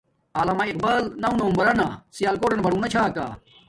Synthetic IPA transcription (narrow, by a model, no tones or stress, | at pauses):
aːlamaiq̚baːlnɐũnombɐɾɐnasijaːlkoːʈenbʱɐɽũːnɐt͡ɕʰaːka̰ː